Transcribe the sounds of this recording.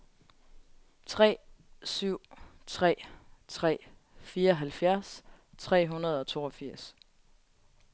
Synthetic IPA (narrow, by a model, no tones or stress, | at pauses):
t͡sʰʁɛ̰ːsyʊ̰t͡sʰʁɛ̰ːt͡sʰʁɛ̰ː | fiːɐɒɦælfjæɐs | t͡sʰʁɛ̰ːɦunɐð̞̩ˠɒ̽t͡sʰo̝̰ːɒ̽fiɐ̰s